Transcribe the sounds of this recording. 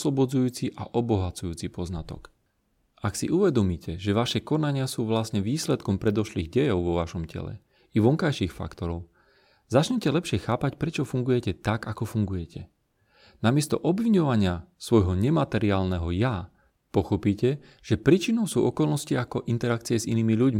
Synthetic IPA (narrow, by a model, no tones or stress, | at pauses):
slɔbɔd͡zujuːt͡siʔa̰ʔɔbɔɦat͡sujuːt͡sipɔznat̪ɔ̰k | aksḭʔuʋɛd̪ɔmiːcɛʒɛʋaʃɛkɔnaɲɪasuːʋlasɲɛʋiːslɛt̪kɔmpɾɛd̪ɔʃliːɣɟɛjɔʊʋɔʋaʃɔmcɛ̰lɛ̰ | iʋɔŋkajʃiːxfa̰kt̪ɔɾɔʊ | zat͡ʃɲɛcɛlɛpʃɪɛxaːpacpɾɛt͡ʃɔfuŋɡujɛcɛt̪aɡakɔfuŋɡujɛcʰɛ | namɪɛst̪ɔ̰ʔɔbʋiɲɔʋaɲɪasʋɔjɦɔɲɛmat̪ɛɾiaːlnɛɦɔja | pɔxɔpiːcɛ | ʒ̥ɛpɾiːt͡ʃinɔʊsṵːʔɔkɔlˠnɔsciakɔʔint̪ɛɾak̚t͡siɛziniːmiʎuɟmi